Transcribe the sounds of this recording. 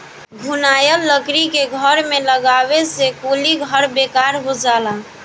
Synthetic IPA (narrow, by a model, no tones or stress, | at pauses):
ɡʱunajəlːəkɾikeɡʱəɾmeləɡabesekoliɡʱəɾbekaɾɦod͡ʒala